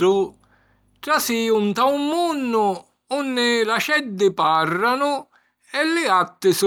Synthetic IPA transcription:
ʊ | ʈɾasiunt̪awmːunːʊ | unːɪlaʃɛd̪ːɪparːanʊ | ɛlːɪat̪ːɪs

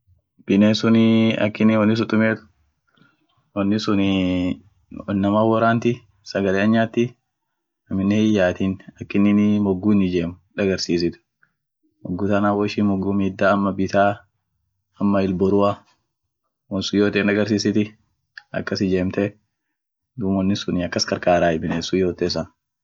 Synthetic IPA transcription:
b̥ɪneːsʊnɐ̰kːɪnːɪwɔnːɪs̬ʊt̪ʼːʊmeːt̪ʊ̥ | wɔnːɪsʊnɪ | nɐmaːwɔɾaːnt̪ɪ | sɐɡɐleːɐɲːaːt̪ːɪ | ɐmɪnːɛhɪjːaːt̪inɐkːɪnːɪnmɔɡːuːnːɪd͡ʒeːmʊᶑɐɡɐɾsiːs̬ɪt̪ʊ̥ | mɔɡːuːt̪ɐnaːwɔʃimɔɡːuːmiːd̪ːaːɐmːɐbɪt̪aː | ɐmːɐɪlbɔɾʊɐ | wɔnsʊjoːt̪enᶑɐɡɐɾs̬iːsɪt̪ɪ | ɐ̰kːɐsɪd͡ʒeːmt̪ɛ | d̪uːmɔnːɪsʊnɪɐkːɐskɐɾkaːɾaːɪbɪneːsʊjoːt̪eːsɐn

